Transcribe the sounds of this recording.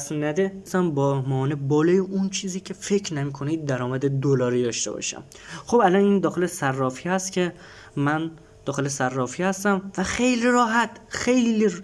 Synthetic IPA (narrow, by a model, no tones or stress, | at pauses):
smnæd̪esæmbɒːmɒːnebɒːlɒːjeʔunt͡ʃʰiːziːcʰe̞fe̞cʰnæmiːkʰonid̪̚ːæɾɒːmæd̪ed̪olɒːɾiːd̪ɒːʃt̪e̞bɒ̰ʃæ̰m | xobælɒniːnd̪ɒːxelesærːɒːfiːhæst̪cʰʲe | mæn | d̪̥ɒːxe̞lesærːɒːfihæst̪æmvæxejliɾɒːɦæt̪xe̞jli